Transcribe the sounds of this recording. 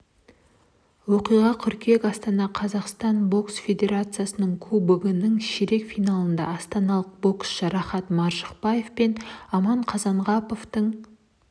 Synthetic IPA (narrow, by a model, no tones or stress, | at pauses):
woqijʁɑkʲʰʏɾkʲʰe̞kɑst̪ɑnɑqʰɑzɑqst̪ɑnbo̞ksfʲe̞d̪ʲe̞ɾat̪sɨjasənəɴkʲʰubɪɡʲɪnəɴʃeɾe̞kfijnɑlˠənd̪ɑ̰ːst̪ɑnɑlˠəq̚bo̞ksʒɑɾɑχɑt̪mɑɾʒəqpɑje̞fpe̞nɑmɑɴqʰɑzɑɴʁɑpo̞ft̪əɴ